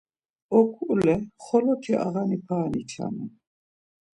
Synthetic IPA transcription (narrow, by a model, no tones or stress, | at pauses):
ɔkʰulɛχɔlɔkʰɛʔa̰ɣanipʰaːnit͡ʃʰa̰nɛ